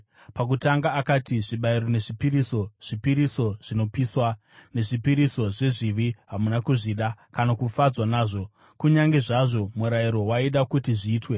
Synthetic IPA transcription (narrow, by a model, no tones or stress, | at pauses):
pak̬utaŋɡaːkatiʐiɓaiɾo̞ne̞ʐipiɾiso̞ʐ̥ipiɾiso̞ʐ̥ino̞piswa | ne̞ʐipiɾiso̞ʐe̞ʐiʋiɦamunakuʐiɗakanakufad͡zwanaːʐo̞ | kuɲaŋɡe̞ʐaʐo̞muɾaiɾo̞waiɗakutiʐiːtwe̞